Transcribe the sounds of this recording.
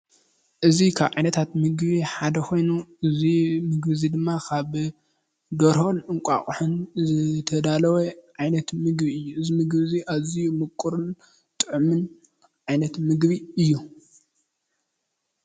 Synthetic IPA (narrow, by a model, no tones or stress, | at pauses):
ʔɨzikʰaβʕa̰jnɐt̪ʰat̪mɨɡβiħad̪ɐkʰo̞jnuʔɨzimɨɡbɨzid̪ɨmːakʰaβ | d̪ɐɾhonɨŋkʷʼa̰kʼħɨnzɨt̪ʰɐd̪alɐweʕajnɐt̪mɨɡbiɨjːuɨzimɨɡbɨziʔazijumɨkʼːuɾun | t̪ʼɨʕumɨn | ʕajnɐt̪mɨɡβiɨjːu